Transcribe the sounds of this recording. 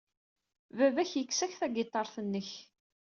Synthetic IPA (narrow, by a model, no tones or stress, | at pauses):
vævæçjəkːsæçθæɡɪt̪ˤːɑɾˤθənːəç